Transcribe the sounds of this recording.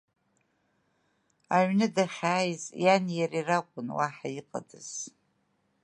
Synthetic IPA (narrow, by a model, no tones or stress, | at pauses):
aɥnɨdaχʲaːjzjanjarirakʷʼʊnwaħaiqʼa̰dɨz̥